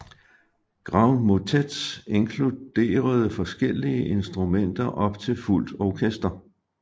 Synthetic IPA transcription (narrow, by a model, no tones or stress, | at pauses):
ɡ̥ʁɑ̈ʊnmot͡sʰed̥se̝ŋkʰlud̥e̝̰ːɐð̞̩ˠəfɒ̽sɡ̥el̰iəʔe̝nsd̥ʁumen̰d̥ɐʔɒ̽b̥t͡sʰe̝lful̰d̥ɒkʰesd̥ɐ